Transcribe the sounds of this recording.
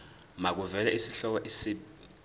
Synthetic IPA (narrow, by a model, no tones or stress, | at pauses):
mak̬uvɛl̬aʔisiɬɔk̬ɔʔisi